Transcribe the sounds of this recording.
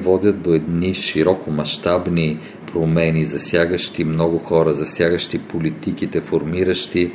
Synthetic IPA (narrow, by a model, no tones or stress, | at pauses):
vɔd̪ʲət̪̚d̪oɛd̪niʃiɾɔkomɐʃt̪abni | pɾomɛnizɐsjaɡəʃt̪imnɔɡʊxɔɾəzɐsʲjaɡəʃt̪ipolit̪ikit̪ɛfoɾmiɾəʃt̪i